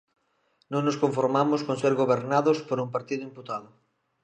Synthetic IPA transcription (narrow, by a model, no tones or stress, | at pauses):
nõŋnoskõɱfoɾmamʊskõnseɾɣoβeɾnaðospoɾumpaɾt̪iðʊimput̪aðʊ